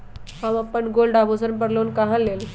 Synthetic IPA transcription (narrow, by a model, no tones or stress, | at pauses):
hãmapəɳɡolɖabosənpəɽlonkaɦãlel